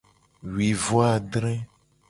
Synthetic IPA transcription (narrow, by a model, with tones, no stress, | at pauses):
wi˨vo˦a˨ɖɾ̃ɛ̃˦